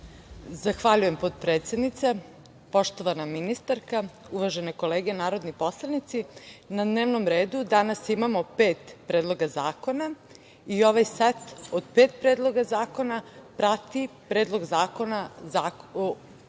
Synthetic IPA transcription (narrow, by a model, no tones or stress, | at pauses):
zaxʋaʎuje̞mpot̪pɾeːt̪se̞d̪nit̪se̞ | po̞ʃt̪o̞ʋanaminist̪aɾka | uʋaʒeneko̞leːɡenaːɾo̞d̪nipo̞slˠanit̪sinad̪neːʋno̞mɾe̞ːd̪ud̪anasimamo̞pe̞ːt̪pɾeːd̪lˠo̞ɡazaːko̞na | io̞ʋajsat̪od̪pe̞ːt̪̚pɾe̞ːd̪lˠo̞ɡazaːko̞napɾat̪ipɾe̞ːd̪lˠo̞ɡzaːko̞naa